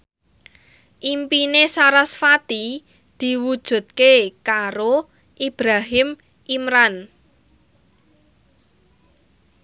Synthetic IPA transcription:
ʔimpinesaɾasfat̪i | d̪̥i̤wud̥ʒ̥ṳt̪̚kekaɾo | ʔib̥ɾaɦɪm | ʔimɾan

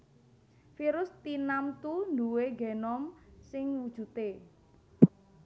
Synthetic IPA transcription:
fiɾʊst̪inamt̪und̪uweɡenɔmsɪŋwud̥ʒ̥ṳt̪e

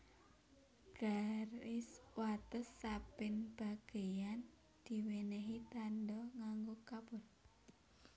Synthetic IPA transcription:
b̥ɾaɾɪswat̪əsːapɪnb̥a̤ɡ̥ejan | d̪̥i̤weneɦit̪andɔŋaŋɡokapʊr

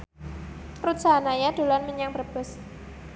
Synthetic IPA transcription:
rut̪̚d͡ʒanajad̥o̤lanmiɲaŋbərb̥ə̤s

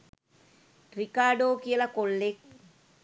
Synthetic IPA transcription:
ʈrikaːɖoːkijɐlɐkolːek̚

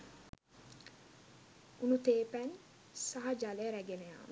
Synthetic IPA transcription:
unut̪eːpæn | saɦɐd͡ʒaleɾæɡeneja̰ːmə

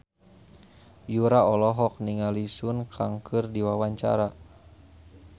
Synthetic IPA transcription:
juɾaɔlɔɦɔk̚niŋalisunkʰaŋkʰɨrdiwawaɲt͡ʃa̰ɾa

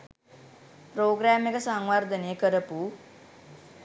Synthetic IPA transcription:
pɾoːɡɾæːmekəsaŋʋard̪əneːkəɾəpu

